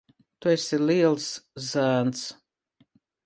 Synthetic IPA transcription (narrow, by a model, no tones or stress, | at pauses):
t̪uɛsʲilʲiɛlˠszæːns